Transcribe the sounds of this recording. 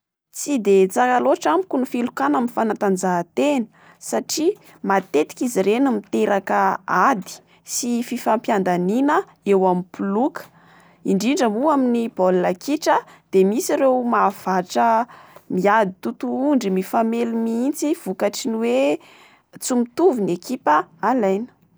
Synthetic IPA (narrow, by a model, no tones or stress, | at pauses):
t͡sid̪et͡sakaloʈ͡ʂamukunifilukanaminfanat̪and͡zat̪enə̥ | saʈ͡ʂi | mat̪et̪i̥kiziɾenumit̪eɾʔakəad̪i̥ | sififampjand̪aninə | ewamipulukə̥ | iɳɖ͡ʐiɳɖ͡ʐəmuaminib̥olːakiʈ͡ʂəd̪̥emisiɾewmav̥aʈ͡ʂəmiad̪it̪ut̪uuɳɖ͡ʐimifamelumiint͡siv̥ukaʈ͡ʂiniwe | t͡sumit̪uvinekipəalajnə̥